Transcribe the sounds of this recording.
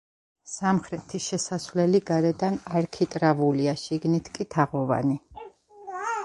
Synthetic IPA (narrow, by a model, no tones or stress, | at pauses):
samχɾɛt̪ʰiʃɛsasvlɛliɡaɾɛd̪anaɾkʰit̪ʼɾavuliaʃiɡnit̪ʰkʼit̪ʰaʁɔva̰ni